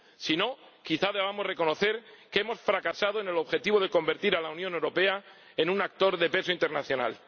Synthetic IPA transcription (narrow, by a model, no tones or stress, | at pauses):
sino̞kiθað̞eβ̞amo̞zre̞ko̞no̞θe̞ɾkee̞mo̞sfɾakasað̞oene̞lo̞βxe̞t̪iβoð̞e̞ko̞mbe̞ɾt̪iɾalaunjõne̞wɾo̞pe̞a | enũnak̚t̪o̞ɾðe̞pe̞soint̪e̞ɾnaθjo̞na̰l